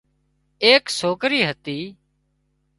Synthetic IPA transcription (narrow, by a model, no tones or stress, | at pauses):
eːksoːkɾiːɦət̪iː